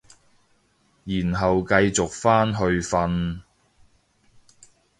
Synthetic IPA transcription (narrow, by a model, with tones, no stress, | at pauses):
jiː˨˩nɦɐ˨wkɐ˧jt͡sʊ˨k̚faː˥nɦɵ˧ɥfɐ˧n